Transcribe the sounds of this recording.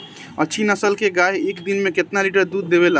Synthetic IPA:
ət͡ʃʰinəsəlkeɡaɦeeːkd̪inmẽket̪naliʈəɾd̪uːd̪ːeβela

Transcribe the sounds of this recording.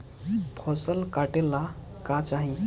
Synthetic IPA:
pʰɔsəlkaʈela | kat͡ʃaɦi

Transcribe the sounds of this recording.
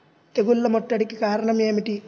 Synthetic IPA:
t̪eɡulːɐmɔʈːɐɽikikaːɾɐɳɐmeːmiʈi

